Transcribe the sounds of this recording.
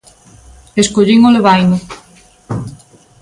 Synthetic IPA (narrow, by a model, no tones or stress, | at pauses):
eskoʎiŋoleβajnʊ